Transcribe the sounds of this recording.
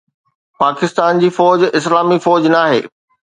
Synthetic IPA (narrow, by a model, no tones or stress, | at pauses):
paːkɪst̪aːnd͡ʑiːfɔːd͡ʑɪs̬laːmifɔːd͡ʑnaːɦḛː